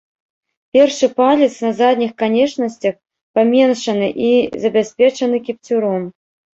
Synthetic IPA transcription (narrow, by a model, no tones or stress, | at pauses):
pʲɛrʂɨpalʲit̪snɐzad̪ʲnʲixkanʲɛt͡ʂnɐsʲt͡sʲɐx | pamʲɛnʂɐnɨʔizɐbʲasʲpʲɛt͡ʂɐnɨkʲipt͡sʲuɾɔm